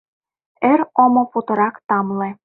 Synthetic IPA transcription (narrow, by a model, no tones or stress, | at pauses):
ĕɾomŏput̪ɤ̆ɾɑkt̪ɑmlĕ